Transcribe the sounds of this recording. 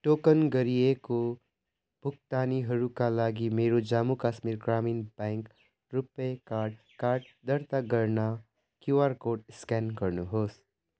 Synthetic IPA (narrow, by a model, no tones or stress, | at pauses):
ʈoːkənɡəɾijeko | bʱʊk̚t̪aːniɦɐɾukalaːɡimeːɾod͡ʒaːmukaːʃmiːɾɡɾaːmiːnbɛ̃ːŋk | ɾʊpekaːɾɖ | kaːɾɖ | d̪əɾt̪aɡəɾna | kjuʋaːɾkoːʈɪskɛːnkəɾnuɦoːs